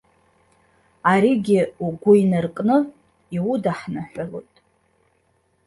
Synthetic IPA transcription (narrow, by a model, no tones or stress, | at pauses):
aɾiɡʲiuɡʷʊinarqʼnɨ | iwudaħnaħʷalo̰jtʼ